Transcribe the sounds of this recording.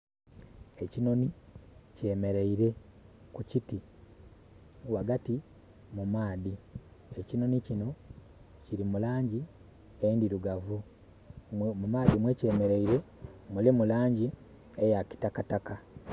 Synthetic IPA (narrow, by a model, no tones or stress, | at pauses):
e̞cino̞nice̞me̞ɾe̞iɾe̞kuciti | waɡati | mumaːði | ecino̞nicino̞ | ciɾimulaːɲɟi | endiɾuɡavu | mumaːðimwe̞ce̞ːme̞ɾeiɾe̞ | mulimulaːɲɟi | ejaki̥takataka